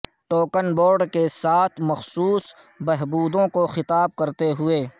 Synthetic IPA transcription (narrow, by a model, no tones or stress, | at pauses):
ʈoːkənboːɾɖkesaːt̪ʰmɐxsuːs | bɛɦbuːd̪õkoxɪt̪aːb̚kɐɾt̪eɦʊeː